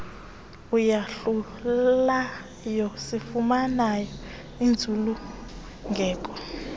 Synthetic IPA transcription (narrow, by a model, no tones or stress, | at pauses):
ujaɬu | lla | jɔsifumanajɔ | ind͡zʱulu | ŋɡʱɛːkʼɔ